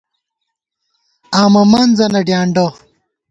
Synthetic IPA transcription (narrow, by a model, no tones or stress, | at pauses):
aːmɐmaːnzɐnɐɖjaːɳɖo